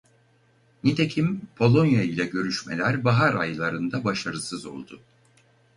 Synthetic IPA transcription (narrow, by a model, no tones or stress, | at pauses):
nit̪ʰecʰimpʰo̞lˠo̞njailʲɛɟø̞ɾyʃmelʲæɾbaɦaɾa̰jlˠaɾɯnd̪abaʃaɾɯsɯzo̞̰lˠd̪ʊ